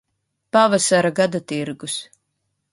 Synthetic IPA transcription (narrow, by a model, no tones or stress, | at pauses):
pavasaɾaɡad̪at̪iɾɡus